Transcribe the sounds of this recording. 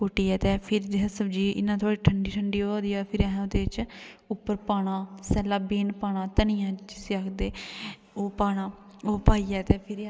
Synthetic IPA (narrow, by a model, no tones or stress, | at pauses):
kʊʈiːɛːt̪eːpʰɪɾd̪eɦəsəbd͡ʒiːʔɪ̰nːãːt̪ʰoaːɽiːʈʰəɳɖiːʈʰəɳɖiːoːaːd̪iːaːpʰɪɾɛɦod̪eːt͡ʃʊpːəɾpaːɽ̃ãːsɛːlaːbeːnpaːɽ̃aːt̪əniːãːd͡ʒɪseakʰd̪eː | oːpaːɽaːoːpaːiːɛːt̪eːpʰɪɾ